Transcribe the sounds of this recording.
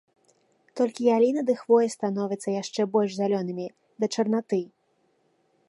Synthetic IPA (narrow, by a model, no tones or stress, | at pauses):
t̪ɔlʲkʲijalʲinɐd̪ɨxvɔjɛst̪anɔvʲɛt̪sːɐjaʂt͡ʂɛbɔlʲʐzʲalʲɔnɨmʲi | d̪ɐt͡ʂɐrnat̪ɨ